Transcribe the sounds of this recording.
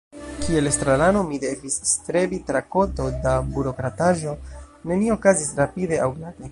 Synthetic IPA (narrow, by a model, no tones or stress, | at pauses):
kʰie̞lest̪ɾalano̞mide̞visstɾe̞bitɾako̞to̞dabuɾo̞kɾataʒo̞ne̞nio̞kazisɾapide̞awɡlade̞